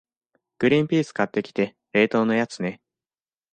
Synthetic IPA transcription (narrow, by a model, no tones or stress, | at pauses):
ɡ̥ɯ̟ɾʲĩmpʲiːsɨ̥kat̪ːe̞kʲi̥t̪e̞ | ɾe̞ːt̪o̞ːno̞jat͡sɨne̞